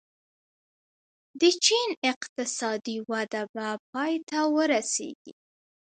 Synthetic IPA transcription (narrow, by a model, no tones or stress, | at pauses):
d̪ət͡ʃinɪqt̪ɪsɑd̪iwad̪abap̚ɑjt̪awəɾasḛɡ̥ḭ